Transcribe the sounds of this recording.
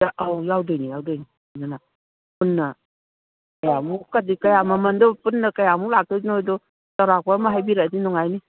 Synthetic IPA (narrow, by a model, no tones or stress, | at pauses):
aʔawjawdɯjnijawdɔjni | nana | punːɐ | kɐjamukadikɐjamɐmɐndɔpunːɐkɐjamulak̚tɔzinojdɔ | taɾak̚pamaɦajbiɾadinɔŋajni